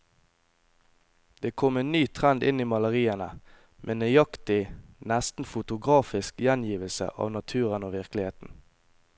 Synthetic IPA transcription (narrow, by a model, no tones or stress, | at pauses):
d̪̥eːkʰɔmeːnyːt̪ʰʁɛnd̪ɪ̰niːmɑləʁiːənə | mʔeːnejɑkt̪ɪnæst̪n̩fʊt̪ʊɡʁɑːfɪskjænjiːʋəlsə̰ʔɑ̰ːʋnɑt̪ʰʉːʁənoːʋɪʁklɪheːt̪n̩